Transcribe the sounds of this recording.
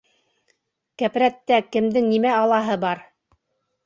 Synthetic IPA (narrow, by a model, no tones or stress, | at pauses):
kæpɾæt̪ːækɘ̆md̪ɘŋnimæɑlˠɑɦɤbɑɾ